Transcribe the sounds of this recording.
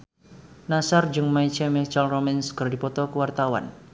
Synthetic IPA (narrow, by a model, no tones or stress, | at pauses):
nasard͡ʒɨŋmait͡ʃamit͡ʃalromɛnskərdipɔt̪ɔkəwart̪awa̰n